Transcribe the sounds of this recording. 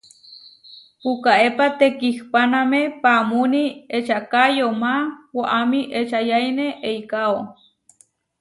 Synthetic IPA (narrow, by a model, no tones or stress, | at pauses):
ukaepat̪ekihpanamepamuniet͡ʃakajomawaʔamiʔet͡ʃajajneʔejkao